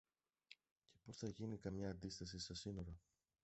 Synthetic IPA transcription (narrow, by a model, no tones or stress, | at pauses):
ce̞po̞sθɐʝinikɐmɲɐːnd̪ist̪ɐsisesino̞ɾɐ